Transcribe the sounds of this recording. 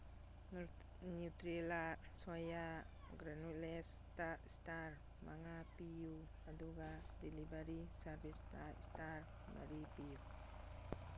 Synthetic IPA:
nutɾelasaja | ɡɾanulestastaɾ | mʔaŋapiju | aduɡadelibaɾisaɾbistastaɾ | ma̰ɾipiju

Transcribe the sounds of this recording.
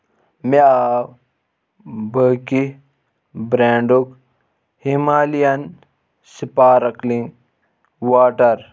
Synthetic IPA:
mea | bəːki | bɾaːɳɖuk | himaːlijɐn | sipaːɾɐkliŋɡ | waːʈɐɾ

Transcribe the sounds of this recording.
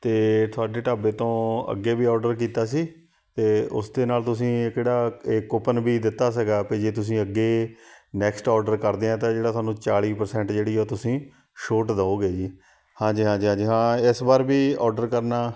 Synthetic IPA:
t̪eːt̪ʰʊaːɖeːʈaːbeːt̪õːə̰ɡːeːbiːɔːɾɖəɾkiːt̪aːs̬iː | t̪eːʊ̰sd̪eːnaːlt̪ʊs̬ĩːkeːɽaːekːopənbiːd̪ɪt̪ːaːsəɡaːped͡ʒeːt̪̬ʊs̬ĩːəɡːeːnɛːksʈɔːɾɖəɾkəɾd̪eːãːt̪ãːd͡ʒeːɽaːt̪ʰʊaːnũːt͡ʃaːɭiːpəɾsɛ̃ːɳʈd͡ʒeːɽiːɛoːt̪ʊsĩː | ʃoːʈd̪aːoːɡeːd͡ʒiː | hãːd͡ʒiːɦãːd͡ʒiːɦãːd͡ʒiːɦãːɪsbaːɾbiːɔːɾɖəɾkəɾnaː

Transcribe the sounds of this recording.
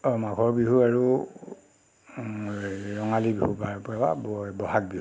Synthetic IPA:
ɔmakʰɔɹbiɦuaɹu | ɹɔŋalibihupapawa̰bɔbɔhak̚bihu

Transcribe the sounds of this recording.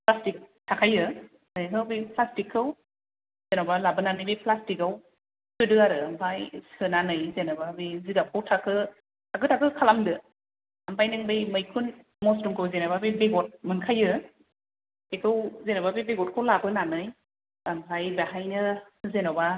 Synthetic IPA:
plastik̚tʰakʰajɯ | akʰɯwbijplastikʰːɯw | zenɔbalabɯnanɯjbijplastikaw | sɯdɯaɾɯampʰajsɯnanɯjzenɔbabiziɡakʰawtʰakʰɯ | tʰak̬ʰɯtʰakɯkʰalamdɯ | ampʰajnɯŋbɯjmɯjkʰun | mɔstumkʰɯwzenababibeɡɔt̚mɯnkʰajɯ | ekʰɯwzenababibeɡɔt̚kʰɯwlabɯnanɯj | ampʰajbaɦajnɯ | zenɔba

